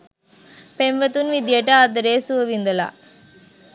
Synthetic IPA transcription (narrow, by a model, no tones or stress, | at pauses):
penʋɐt̪ːunʋid̪jɐʈːɐɐt̪ːɐɾeːsuʋɐʋind̪ɐla̰ː